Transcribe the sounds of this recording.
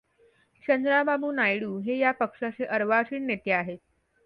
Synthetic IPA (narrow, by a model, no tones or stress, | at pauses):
t͡ɕənd̪ɾababuːnajɽuːɦejapəkʂaseʔəɾʋaɕiːɳnet̪eaɦet̪